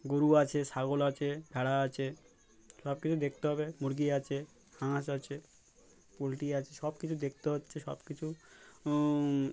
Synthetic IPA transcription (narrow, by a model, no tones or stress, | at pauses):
ɡoɾuat͡ɕʰesaɡolat͡ɕʰebʱɛɽaat͡ɕʰe | ʃɔbkit͡ɕʰud̪ek̚ʰt̪eɦɔbemuɾɡiat͡ɕʰe | hãʃat͡ɕʰe | polʈiat͡ɕʰeʃɔbkit͡ɕʰud̪ek̚ʰt̪eɦotːʃʰeʃɔ̰bkit͡ɕʰu